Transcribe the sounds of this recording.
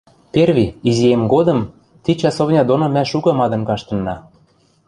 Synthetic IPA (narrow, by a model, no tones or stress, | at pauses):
perβʲiiziemɡod̪ɤ̆m | t̪it͡ɕɑsoβnʲɑd̪onŏmæʃukɤ̆mɑd̪ɤ̆mkɑʃt̪ɤ̆nːɑ